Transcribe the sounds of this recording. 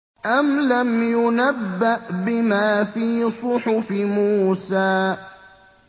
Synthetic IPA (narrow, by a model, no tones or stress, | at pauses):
ʔamlamjʊnabːaʔbɪmaːfiːsˤʊħʊfɪmuːsaː